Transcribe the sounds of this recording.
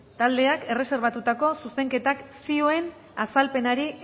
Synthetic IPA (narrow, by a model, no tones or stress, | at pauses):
t̪ald̪e̞ake̞re̞se̞ɾβ̞at̪ut̪ako̞suse̞ŋke̞t̪aksio̞e̞n | asalpe̞naɾi